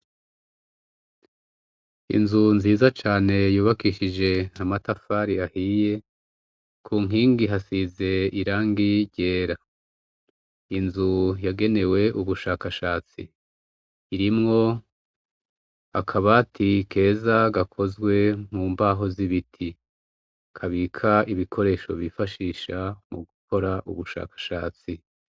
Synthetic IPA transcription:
ḭnzunziːzat͡ʃaːne̞juːβakiʃid͡ʒe̞amatafaɾiahije̞ | kʰuːŋ̥ɦiːŋɡiɦasize̞iɾaːŋɡiɾɟe̞ːɾa | inzujaɡe̞ne̞we̞ʔuβuʃaːkaʃaːt͡sḭː | ɾimŋo̞ | a̰kʰaβaːtʰikʰe̞ːzaɡakʰo̞zɡwe̞m̥uːmbaːɦo̞ziβitʰi | kʰaβikʰaiβikʰo̞ɾe̞ːʃo̞̰βifaʃiːʃamuɡukʰo̞ɾaʔṵβuʃa̰ːkḁʃaːt͡si

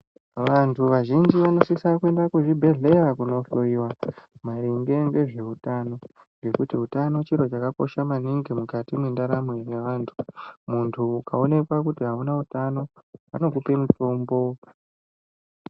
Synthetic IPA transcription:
ʋantʰuʋaʒind͡ʒiʋano̞sisakue̞ndakuʐibʱe̞ɮe̞rakuno̞foiwamaɾiŋɡe̞ŋɡe̞ʐe̞utano̞ | ŋɡe̞kutiɦutano̞t͡ʃiɾo̞t͡ʃakako̞̰ʃamaniŋɡimukatimwendaɾamwejeʋaːntʰu̥muntʰuːkao̞ne̞kwakutiɦaunautano̞a̰no̞k̬upe̞muto̞mbo̞

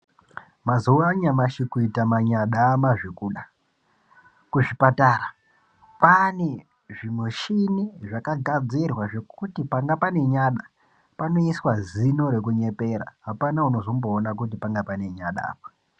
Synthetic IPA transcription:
mazuwaɲamaʃikuitamaɲaɗamaʐekuɗa | kuʐipataːra | pane̞ | ʐimwe̞ʃiniʐakaɡʱad͡zirwaʐe̞kutipaŋɡapane̞ɲaɗa | pano̞iswazino̞ɾe̞kuɲe̞pe̞ɾa̰ɦapanauno̞zomboːnak̬ut̬ipaŋɡapane̞ɲaɗa̰ːpḁ

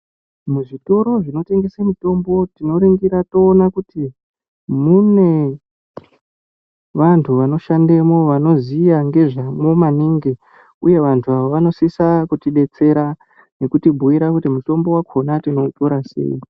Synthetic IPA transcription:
muʐito̞ɾo̞ʐino̞te̞ŋɡesamito̞mbo̞tino̞ɾiŋɡiɾato̞ːnakuti | mune̞ | ʋantʰuʋano̞ʃandemo̞ʋano̞zijaŋɡe̞ʐamo̞maniŋɡe | uje̞ʋantʰuaʋoʋano̞sisakutiɗe̞t͡se̞ɾa | ne̞kutibʱuiɾakutimuto̞mbo̞wakʰo̞natino̞to̞ɾasḛi

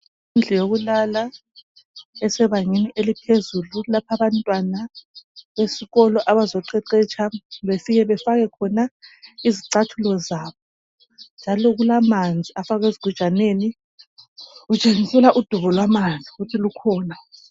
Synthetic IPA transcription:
ind͡ɮʱɛjoɣulala | ɛsɛβaŋiniʔelipʰezululapʰaβantʼwanaβesiɣɔlɔʔaβazɔǃɛǀɛt͡ʃʰaβefiɣɛβɛfaɣɛkʰɔnaiziǀatʰulɔzaβɔ | nd͡ʒʱalɔɣulamand͡zʱiʔafaɣeziɡ̥ʱu̥t͡ʃʼaneːni | ut͡ʃʼeŋisɛlaʔud̥ʱuβɔlwamand͡zʱiɣutʰilukʰɔːna

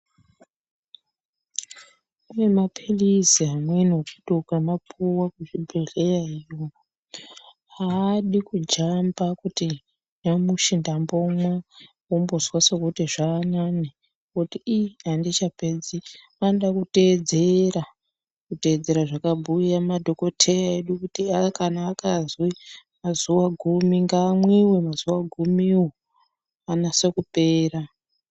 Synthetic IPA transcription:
une̞mapʰiliziɦamwenokuɗokamapʰuwakuʐibʱeɮejaijo | aːɗikud͡ʒambakuti | jamuʃindambomwa | wombozwasokutiʐaːnani | kotiːandit͡ʃape̞d͡zi | anɗakute̞ːd͡zeɾa | kute̞ːd͡ze̞ɾaʐakabʱujamadʱo̞ko̞tʰejaeɗukutiakanaːkazwimazuwaɡʱumiŋɡaːmwewemaz̥uwaɡʱumiwo | anase̞kupe̞ːra

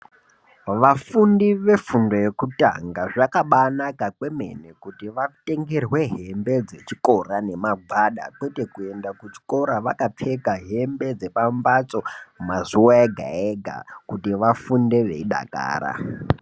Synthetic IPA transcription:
ʋafundiʋe̞fundo̞je̞kuta̰ŋɡaʐakaɓanakakwe̞me̞̰nekutiʋate̞ŋɡerwe̞ɦe̞mbe̞d͡ze̞t͡ʃiko̞rane̞maɡʱwaɗa̰kwe̞te̞kue̞ndakut͡ʃi̥ko̞ɾaʋakap͡fe̞kaɦe̞mbe̞d͡ze̞pambat͡so̞mazuwaeɡʱa̰eɡʱa̰kutiʋafunde̞ʋe̞̰iɗa̰ka̰ːɾa̰

